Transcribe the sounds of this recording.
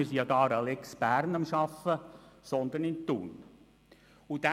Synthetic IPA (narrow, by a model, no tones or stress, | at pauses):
ɪɾsijɑdɑːɾɑlɛksb̥æɾnɑmʃɑfəsɔnd̪ənɪnt̪ṵːn | ud̥̪æ